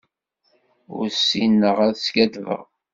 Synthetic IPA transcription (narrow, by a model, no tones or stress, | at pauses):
ʊ̰ɾsːinːəʁæðsɡæðvə̰ʁ